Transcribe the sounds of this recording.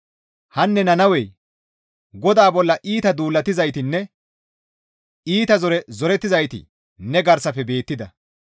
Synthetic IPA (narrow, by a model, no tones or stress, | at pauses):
hɐnːɛnɐnɐwɛj | ɡɔd̪aːbɔlːɐʔiːt̪ɐd̪uːlːɐt̪ːɪzɐjt̪ɪnːɛ | iːt̪ɐzɔɾɛzɔɾɛt̪ːɪzɐjt̪ɪ̰ | nɛɡɐɾsɐpːɛbe̞ːt̪ːɪd̪ɐ